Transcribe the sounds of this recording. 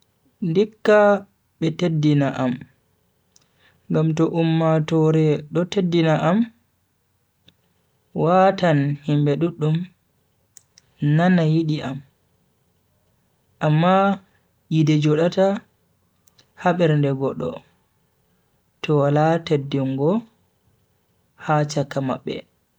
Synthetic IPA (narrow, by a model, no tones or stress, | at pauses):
ndikːa | ɓɛtedːinaʔam | ŋɡamtɔʔumːatɔɾɛɗɔtedːinaʔam | watanhimbɛɗuɗːum | nanajiɗiʔam | ʔamːa | jidɛd͡ʒɔɗata | haɓɛɾndɛɡɔɗːɔ̰ | tɔwalatedːiŋɡɔ | hat͡ʃakːama̰ɓːɛ̰